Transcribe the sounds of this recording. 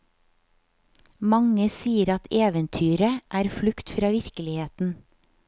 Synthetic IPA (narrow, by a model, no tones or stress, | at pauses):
mɑŋəsiːəɾɑt̪eːʋənt̪ʰyːɾəʔæːɾflʉkt̪fɾɑːʋɪɾkəlɪheːt̪n̩